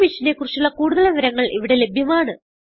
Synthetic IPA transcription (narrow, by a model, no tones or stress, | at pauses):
ʋiʂinekurit͡ɕːuɭːɐkuːɽuðɐɭɐʋɐɾɐŋːɐɭʔiʋiɽe̞le̞bʱjɐmaːɳɨ